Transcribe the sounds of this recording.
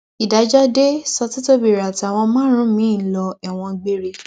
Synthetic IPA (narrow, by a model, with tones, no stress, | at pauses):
i˨da˨˦d͡ʒa˦de˦sɔ˧ti˦to˦bi˨ɾa˨ta˨w̃ɔ̃˧mãː˦ɾ̃ũ˦mĩ˨˦˨lɔ˧ɛ˨w̃ɔ̃˧ɡ͡be˦˨ɾe˧˨